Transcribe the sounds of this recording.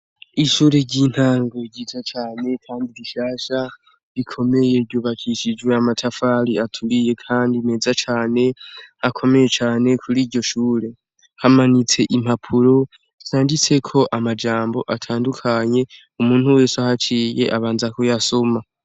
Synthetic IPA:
iʃuːɾe̞ɟiːn̥haːŋɡo̞itʰat͡ʃaːne̞kʰaːndiβiʃaːʃa | βikʰo̞me̞je̞vjuːβakʰiʃid͡ʒɡwe̞amatʰafaɾiatʰuɾije̞kʰaːndime̞ːzat͡ʃaːne̞hakʰo̞me̞je̞t͡ʃaːne̞kʰuɾiːɾɟo̞ʃuːɾe̞ | hamanit͡se̞ʔim̥hapʰuɾo̞ | saːndit͡se̞kʰo̞ʔamad͡ʒaːmbo̞ʔatʰaːndukʰaɲe̞ | umuːn̥huwe̞ːsahat͡ʃiːje̞̰ʔaβaːnzako̞jaso̞ma

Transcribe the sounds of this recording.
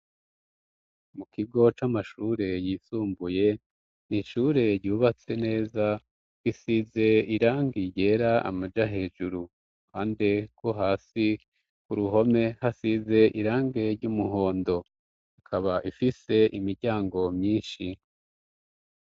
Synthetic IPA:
mukʰiɡo̞t͡ʃamaʃuɾe̞jiːsuːmbuje̞ | niʃuɾe̞ɾɟuːβat͡se̞ne̞ːza | isize̞iɾaːŋɡiɟe̞ːɾaa̰mad͡ʒaɦe̞ːʒuɾu | kaːndekwo̞ɦaːsi | kuɾuɦo̞me̞hasize̞ʔiɾaːŋɡe̞ɾɟumuɦo̞ːndo̞ | akʰaβaʔifise̞ʔimiɾɟaːŋɡo̞mɲiːnʃi

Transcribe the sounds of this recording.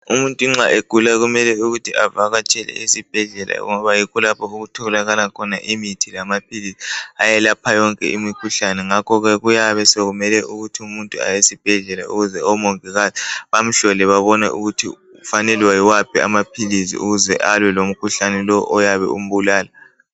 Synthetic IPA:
umuntʼuŋ͡ǁaʔeɡ̥ʱulaɣumɛlɛuɣutʰiʔavaɣat͡ʃʼɛlɛ̰isib̥ʱɛɮɛlʔa̰ɔ̰ŋɔβajikɔlapʰɔuɣutʰɔɣlaɣalakʰɔnaʔimitʰilamapʰilisiajɛlapʰajɔŋkʼɛ̰ʔimikʰuɬanɛŋakʰɔɣɛɣujaβɛsɛɣumɛlɛʔuɣutʰiumuntʼua̰jesib̥ʱɛɮɛla̰uɣuzɛɔmɔŋɛɣaziβam̩ɬɔlɛβaβɔnɛ̰ʔuɣutʰḭ | fanɛlwajiwapʰia̰mapʰilisḭʔuɣuzɛ̰ʔalwɛlom̩kʰuɬanɛlɔʔɔjaβɛ̰um̩βulaːla

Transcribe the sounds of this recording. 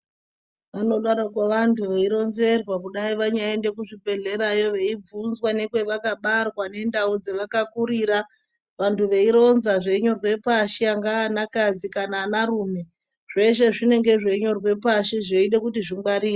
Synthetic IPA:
ʋano̞ɗaɾakwaʋantʰuʋeiɾo̞nze̞rwakuɗaiʋaɲaende̞kuʐibe̞ɮe̞ɾajo̞ʋe̞ib͡vunzwane̞kwe̞ʋakaɓarwane̞ndaud͡zeʋakakuɾiːɾa | ʋantʰuʋe̞iɾo̞nzaʐe̞ɲo̞rwe̞paʃeaŋɡaːnakad͡zikanaːnaruːme̞ | ʐ̥e̞ʂe̞ʐine̞ŋɡe̞ʐe̞ɲo̞rwe̞paʃeʐeiɗe̞kutiʐiŋɡ͡baɾiː

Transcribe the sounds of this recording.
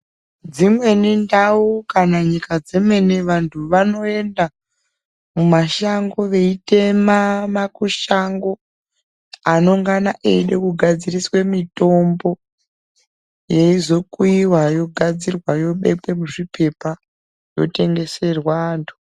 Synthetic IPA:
d͡zimwe̞nindaukanaɲikad͡zemwe̞neʋantʰuʋano̞e̞nda | mumaʃaŋɡo̞ʋe̞ite̞mamakuʃaŋɡo̞ | ano̞ŋɡanaʔeɗekuɡʱad͡ziriswe̞mito̞mbo̞ | jeizo̞kuiwajo̞ɡʱad͡zirwajo̞ɓe̞pwe̞muʐipʰe̞pa | jo̞̰te̞ŋɡe̞se̞rwaːntʰu̥

